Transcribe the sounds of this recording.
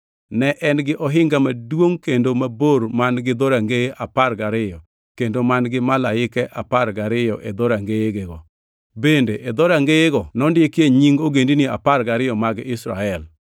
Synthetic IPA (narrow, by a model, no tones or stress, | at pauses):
nɛʔɛnɡɪʔɔɦɪŋɡamadwoŋkendomaboɾmanɡɪd̪oɾaŋɡeʔaparɡaɾɪjɔ | kendomanɡɪmalaɪkɛʔapaɾɡaɾɪjɔʔed̪oɾaŋɡeeɡeɡɔ | bendeʔed̪oɾaŋɡeeɡɔnɔndɪekjeɲiŋɡoɡendinia̰paɾɡaɾɪjɔmaɡɪsɾa̰ɛl